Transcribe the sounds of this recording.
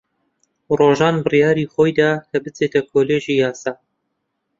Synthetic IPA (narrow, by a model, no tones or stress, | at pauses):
roːʒɑːnbɨrijɑːɾiːχoːjd̪aːkʰɐbɨt͡seːt̪ʰɐkʰoːleːʒiːjɑːsɑː